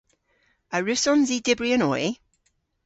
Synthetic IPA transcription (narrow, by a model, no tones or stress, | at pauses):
əɹʉsɔnzidɪbɹiənɔji